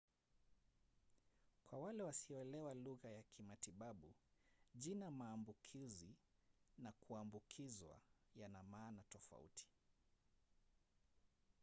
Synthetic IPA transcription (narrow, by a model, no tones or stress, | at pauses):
kwawalɛwasiɔɛlɛwaluɣajakʰimatiɓaɓuʄinamaːmbukʰizinakuambukʰizwa̰janamaːnatɔfa̰ṵtʰi̥